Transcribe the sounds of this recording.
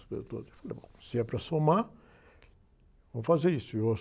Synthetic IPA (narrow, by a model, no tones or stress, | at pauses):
et̪o̰d̪efalḛbõ̰siɛpɾɐsoma | vɐ̃mʊfazeɾisʊewɐ